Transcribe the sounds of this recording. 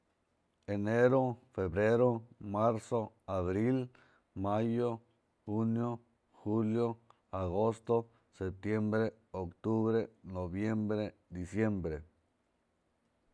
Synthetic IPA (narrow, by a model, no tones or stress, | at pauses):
eneɾofebɾeɾomaɾso | aβɾil | majo | xunjo | xuljo | aɣost̪o | sep̚t̪jembɾe | okt̪uβɾenoβjembɾed̪isjembɾe